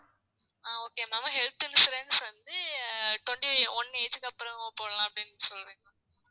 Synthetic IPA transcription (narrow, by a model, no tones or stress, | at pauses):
aːoːkeːmaːmãːɦɛlt̪ɯnɯsɾɛːnːɯsʋɐnd̪ɯʈʋɔɳʈiɔnːɯeːt͡ʃɯkːɐpːɯɾɐ̃poːɽɐlãːɐpːɐɽɪnːsɔlːɾiːŋlãː